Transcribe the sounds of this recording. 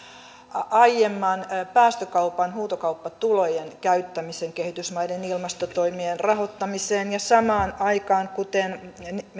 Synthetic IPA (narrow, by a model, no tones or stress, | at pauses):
ʔɑijemːɑnpæːst̪økɑupɑnhuːt̪okɑupːɑt̪ulojenkæyt̪ːæmiseŋkehit̪ysmɑidenilmɑst̪ot̪oimienrɑhot̪ːɑmiseːnjɑsɑmɑːnɑikɑːŋkut̪en